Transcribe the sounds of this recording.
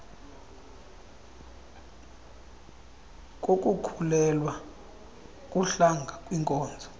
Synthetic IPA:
k̬ʼok̬ʼukʰulɛlwa | kʼuɬaŋɡʱakʼwiŋkʼɔːnd͡zʱɔ

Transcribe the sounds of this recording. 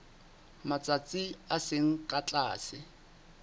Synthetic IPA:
mat͡sʼat͡sʼiasɪŋ̩kʼat͡ɬʼaːsɪ

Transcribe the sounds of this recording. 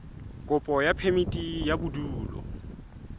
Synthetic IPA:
kʼʊpʼɔjapʰemitʼijabuduːlɔ̰

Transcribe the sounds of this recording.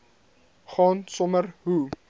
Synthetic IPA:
χɑːnsɔmərɦu

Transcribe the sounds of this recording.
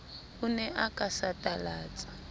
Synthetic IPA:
unɛʔakʼasatʼalaːt͡sʼḁ

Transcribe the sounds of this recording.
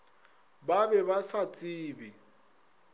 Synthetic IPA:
babɛβasat͡sʼiːbi

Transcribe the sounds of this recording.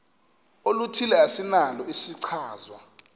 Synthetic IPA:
olutʰilɛasinalɔisiǀʰaːzwa

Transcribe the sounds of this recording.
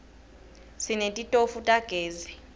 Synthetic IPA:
sinetʼitʼofutʼaɡ̥ʱeːzi

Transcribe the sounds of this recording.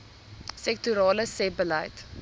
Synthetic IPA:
sɛk̚tuɾɑːləsɛp̚bəlɐ̰jt

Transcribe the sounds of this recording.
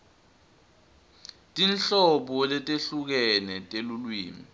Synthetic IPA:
tʼinɬɔɓɔlɛtʼeɬuk̬ɛnɛtʼelulwiːmi

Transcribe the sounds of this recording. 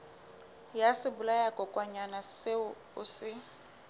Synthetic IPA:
jasɪbulajakʼɔkʼwaɲanasɪ | ʊsɪ

